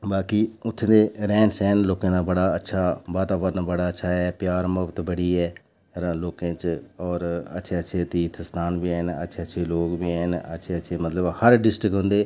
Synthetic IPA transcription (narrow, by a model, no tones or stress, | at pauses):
baːkiːʊt̪ʰːẽːd̪eːɾɛ̃ːnsɛːnloːkẽːd̪aːbəɽaːətːʃʰaːʋaːt̪aːbəɾnabəɽaːətːʃʰaːɦɛːpjaːɾməpt̪bəɽiːɛː | ɾloːkẽːt͡ʃɔːɾə̰tːʃʰeːətːʃʰeːt̪iːt̪ʰst̪ʰaːnbiːɛːnə̰tːʃʰeːətːʃʰeːloːkbiːɛːnə̰tːʃʰeːətːʃʰeːmət̪ləbhəɾɖɪsʈɾɪkɦõnd̪eː